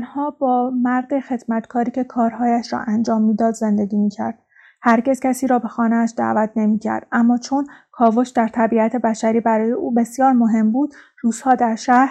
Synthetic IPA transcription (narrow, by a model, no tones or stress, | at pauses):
nhɒːbɒːmæɾd̪e̞xe̞d̪̥mæt̪kʰɒːɾiːcʰe̞kʰɒːɾhɒːjæʃɾɒ̰ːʔænd͡ʒɒːmːiːd̪ɒːd̪ze̞nd̪e̞ɟʲiːmiːcʰæ̰ɾd̪̥ | hæɾɟe̞zcʰæsiːɾɒːbe̞xɒːneæʃd̪æ̰ːvæt̪ʰne̞miːcʰæ̰ɾd̪̥æmːɒːt͡ʃʰo̞nkʰɒːvoʃd̪æɾt̪ʰæbiæt̪ʰe̞bæʃæɾiːbæɾɒːje̞ʔuːbe̞sjɒːɾmoɦe̞mbuːd̪̥ | ruːz̥hɒːd̪æɾʃæhɾ